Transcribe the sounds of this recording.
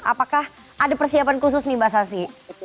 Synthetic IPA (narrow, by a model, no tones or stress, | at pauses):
a̰pakah | adapərsiapankus̬ʊsnibasasi